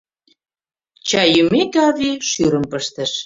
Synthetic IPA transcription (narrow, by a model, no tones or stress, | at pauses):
t͡ɕɑjymekɑβiʃyɾə̆mpəʃt̪ə̆ʃ